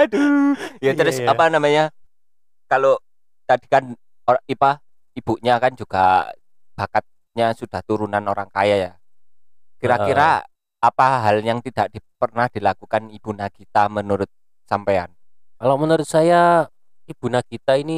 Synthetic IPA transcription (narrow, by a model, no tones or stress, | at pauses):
dujat̪əɾʊsapanamaɲa | kalo | t̪ad̥i̤̥kan | oipa | ib̥uʔɲakand͡ʒuɡ̥a̰ | b̥akat̪̚ | ɲasud̥aht̪uɾunanoɾaŋka̰jaja | kiɾakiɾaː | paɦaljaŋt̪id̥aʔd̥i̤pərnahd̥ilakukanib̥unakit̪amənuɾʊt̪̚ | sampaa̰nkalamənuɾʊt̪̚saja | ib̥ṳnakit̪aini